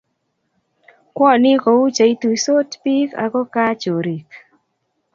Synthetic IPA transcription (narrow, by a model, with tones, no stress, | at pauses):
kwɔ˦nɪ˦ko˨u˦t͡ʃa˨i˦t̪u˨so˦tpi˦ka̰˨kɔ˦ka˦t͡ʃo˨ɾi˨k